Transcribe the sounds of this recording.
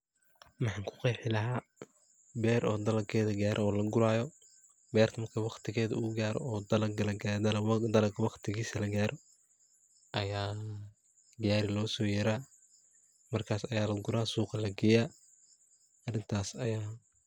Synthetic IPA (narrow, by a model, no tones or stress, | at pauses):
mɑħɑːŋkʰʊ̥qɑjħɪlɐɦaː | bɛːɾʔɔːd̪ɐlɐkʰɛːðɐɡaːɾʔɐɔːlɐɡʊɾaːjɔ | bɛːrt̪ʰɐmɐrkʰɐwɑqt̪ʰɪɣɛːðɐʊɣʊɡaːɾ̰ɔːd̪ɐlɐɡɐlɐɡad̪ld̪ɐlɐɡkʰɐwɑqt̪ʰɪɣiːsɐlɐɡaːɾʔɔ | ʔɐjaː | ɡaːɾɪlɔːsɔːjɛɾaː | mɐrkʰaːsɐjaːlɐɡʊɾaːsuːqɑlɐɡɪjaː | ɐrɪnt̪ʰaːsɐjaː